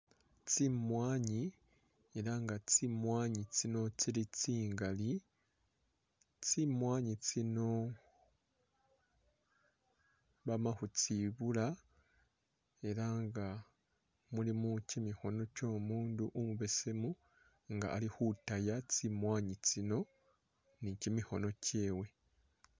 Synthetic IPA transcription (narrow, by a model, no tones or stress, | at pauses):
t͡simwaːɲi | e̞ɾaŋɡat͡simwaːɲit͡sino̞t͡siɾit͡siːŋɡali | t͡simwaːɲit͡sino̞ | βamaxut͡siβula | e̞ɾaŋɡa | mulimucimixo̞no̞co̞ːmuːnduʔumuβe̞se̞mu | ŋɡa̰ʔːlixutajat͡simwaːɲit͡sino̞ | nicimiho̞no̞ce̞ːwe̞